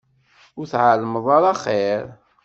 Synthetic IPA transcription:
ʊɾθʕalməðˤɑɾɑχeɾ

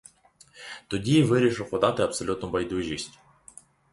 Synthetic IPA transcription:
t̪ɔdʲiʋɪɾʲiʃɪwpɔd̪ɑt̪ɪɐpsɔlʲut̪nʊbɐjd̪uʒʲisʲtʲ

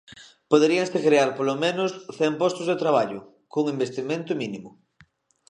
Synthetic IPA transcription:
poðeɾiaŋsekɾeaɾpolomẽnʊsθɛmpɔst̪ʊzðet̪ɾaβ̞aʎʊ | koŋimbest̪imẽnt̪ʊminimʊ

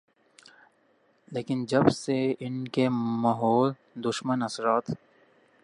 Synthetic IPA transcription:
leːkɪnd͡ʒɐbseɪnkemɐɦoːl | d̪ʊʃmənɐsɾaːt̪

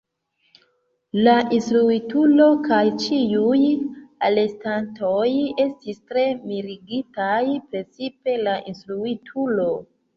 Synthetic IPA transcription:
laʔinstɾuitulo̞kajt͡ʃiujale̞stantoje̞stistɾe̞miɾiɡitajpɾe̞t͡sipe̞laʔinstɾuitʰulo̞

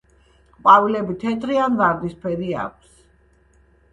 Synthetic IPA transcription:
qʼwavilɛbit̪ʰɛt̪ʼɾianvaɾd̪ispʰɛɾia̰k̚ʷʰs

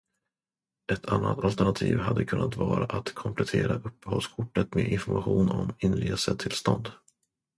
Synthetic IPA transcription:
ɛt̪ʰanːat̪alt̪æɳat̪ʰiːvɦad̪ːəkʰɵnːat̪vɑːɾaʔat̪kʰɔmpʰlɛt̪ʰeːɾaʔɵpːəhɔlskʰʊʈːət̪meːʔɪnfɔɾmaɧuːnɔmɪnɾeːsəd̪t̪ʰɪlst̪ɔnd̪

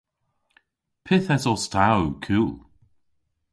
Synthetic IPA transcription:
pʰɪθɛsɔstʰawkʰuːlˠ

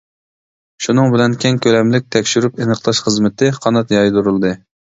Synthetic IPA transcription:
ʃunɨŋbɪlɛnkʲʰeŋkʲʰølɛmlɪk̚ʲt̪ʰɛkʲʃyɾypenəqlˠɑʃχəzmɪt̪ɪqʰɑnɑt̪jɑjd̪uɾulˠd̪ɨ

